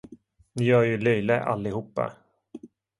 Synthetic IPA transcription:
nɪjœːɾjɵlœjləʔa̰lːɪhuːpːa̰

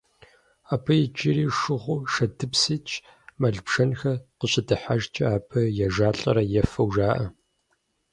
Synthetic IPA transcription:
aːpʰɐjɛd͡ʒʼɪɾiːʂɨʁʷʊʃɐdʰɨpsiːt͡ʃʰʼ | mɐɮbʃɐnxɐqəɕʼɪdɨħaʒt͡ʃʼɐaːpʰɐjɛʒaːɬʼɐ̰ɾɐjɛfɐwʒaːʔɐ

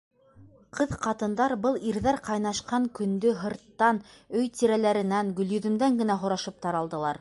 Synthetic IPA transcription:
qʰɤðqɑt̪ɤ̆nd̪ɑɾbɤlˠiɾðæɾqɑjnɑʃqɑŋkɵ̆nd̪ɵɦɤ̆ɾt̪ːɑnɵjt̪iɾælæɾɘ̆næŋɡɵ̆ljɵ̆ðɵ̆md̪æŋɡɘ̆næɦŏɾɑʃɤp̚t̪ɑɾɑlˠd̪ɤ̆lˠɑɾ

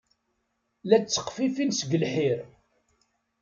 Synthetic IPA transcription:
læt͡sːə̥qːfifinsəɡəlħiɾ

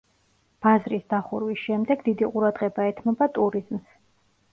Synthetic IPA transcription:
b̥azɾisd̪̥aχuɾwisʃɛmd̪ɛɡd̪id̪iqʼuɾad̪ʁɛbaɛt̪ʰmɔbat̪ʼuɾizms

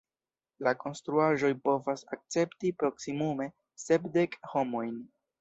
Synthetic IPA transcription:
lako̞nst̪ɾuaʒo̞jpo̞vasak̚t͡se̞ptipɾo̞ksimume̞ | se̞pde̞kho̞mo̞jn

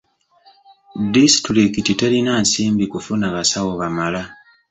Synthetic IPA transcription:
disi̥tulekititelinaːnsiːmbikufunaβasawoβamala

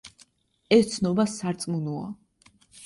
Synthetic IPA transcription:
ɛst̪sʰnɔbasaɾt̪sʼmunua̰

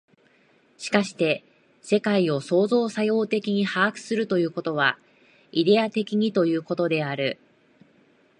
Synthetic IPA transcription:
ɕi̥kaɕi̥t̪e̞ | se̞kaio̞so̞ːzo̞ːsajo̞ːt̪e̞kʲiɲ̟ihaːkɯ̥sɨɾɯ̟t̪o̞jɯ̟ːko̞t̪o̞β̞a | id̪e̞at̪e̞kʲiɲ̟it̪o̞jɯ̟ːko̞t̪o̞d̪e̞aɾɯ̟

